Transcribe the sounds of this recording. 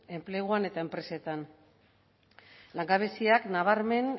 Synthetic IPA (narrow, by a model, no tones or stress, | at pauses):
e̞mple̞ɣ̞uane̞t̪aempɾe̞se̞t̪an | laŋɡaβ̞esiaknaβ̞aɾme̞n